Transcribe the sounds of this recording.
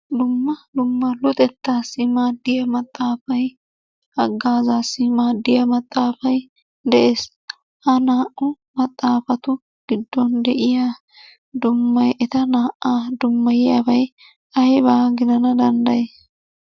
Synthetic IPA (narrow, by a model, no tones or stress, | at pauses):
d̪ʊmːɐd̪ʊmːɐlʊt̪ʼɛt̪ːaːsːɪmaːd̪ːɪjɐmɐt̪ʼːaːfɐj | ɐɡːaːzaːsːɪmaːd̪ːɪjɐmɐt̪ʼːaːfɐj | d̪ɛʔeːs | hɐnaːʔʊ | mɐt̪ʼːaːfɐt̪ʊ | ɡ̥ɪd̪ːɔnd̪ɛʔɪjaː | d̪ʊmːɐjʔɛt̪ɐnaːʔːad̪ʊmːɐjɪjabɐj | ɐjbaːɡɪd̪ɐnɐd̪ɐnd̪ɐjeːs